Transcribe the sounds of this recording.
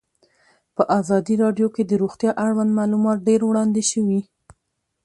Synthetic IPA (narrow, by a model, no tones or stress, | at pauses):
pəʔɑzɑd̪iɾɑɖjoked̪əɾoxt̪jɑʔaɽwand̪mɑlumɑt̪̚ɖeɾwɽɑnd̪eʃəwi